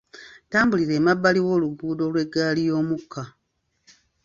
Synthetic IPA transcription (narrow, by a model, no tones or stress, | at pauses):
taːmbuliɾe̞ːmabːaliwo̞ːluɡuːdo̞lwe̞ɡːaːlijo̞ːmukʰːa